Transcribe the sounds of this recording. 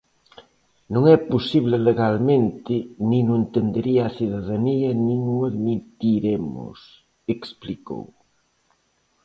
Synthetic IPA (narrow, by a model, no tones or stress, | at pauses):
nõŋɛposiβ̞leleɣalmẽnt̪ɪnĩnoent̪end̪eɾiaasiðaðaniɐnĩŋuaðmit̪iɾemo̰s | ekspliko̰w